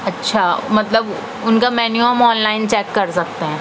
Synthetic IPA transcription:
ɐtːʃʰamɐt̪ləb | ʊnkamɛːnuəmɔːnlaːɪnt͡ʃɛːkːɐɾsɐk̚t̪eɦɛ̃ː

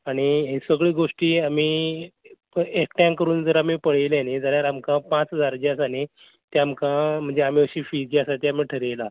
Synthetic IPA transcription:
aɽ̃iesəɡɭiːɡoʂʈiːamiː | ekʈjãŋkəɾuːnd͡zəɾamiːpəɽejlened͡zaljaɾamkãpãt͡sɦəd͡zaɾd͡ʑjasane | t̪jamkãm̤əɳd͡zeam̤iːəɕiːfid͡ʑiasat̪eam̤iːʈʰəɾejla

